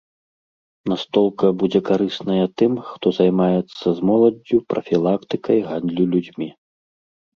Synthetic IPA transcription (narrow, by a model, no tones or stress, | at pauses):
nast̪ɔlˠkɐbud͡zʲɛkaɾɨsnɐjɐt̪ɨmxt̪ɔzajmajɛt̪sːɐzmɔlˠɐd͡zʲːupɾʔɐfʲilˠakt̪ɨkɐjɣand̪lʲulʲud͡zʲmʲi